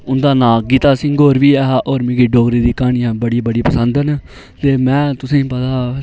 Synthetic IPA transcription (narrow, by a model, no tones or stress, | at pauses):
ʊnd̪aːnãːɡiːt̪aːsɪ̃ŋɡɡoːɾʋiːɛːɦaːʔoːɾmɪ̃ɡiːɖoːɡɾiːd̪iːkaːɳiːãːbəɽiːbəɽiːpəsə̃nd̪ən | t̪eːmɛ̃ːt̪ʊsẽːpət̪aː